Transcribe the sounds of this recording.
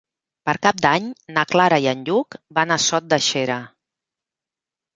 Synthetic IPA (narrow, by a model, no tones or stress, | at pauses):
pəɾkap̚d̪aɲnaklaɾaiənʎukbanasɔt̪̚d̪əʃeɾə